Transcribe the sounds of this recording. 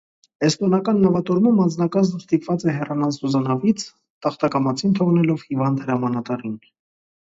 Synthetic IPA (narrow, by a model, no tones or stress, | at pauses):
ɛst̪ɔnɑkɑnːɑvɑt̪ɔɾmumɑnd͡znɑkɑznəst̪ipvɑt͡sɛɦɛrɑnɑzuzɑnɑvit͡sʰ | t̪ɑχt̪ɑkɑmɑt͡sʰint̪ʰɔʁnɛlɔvhivɑnd̪həɾɑmɑnɑt̪ɑrin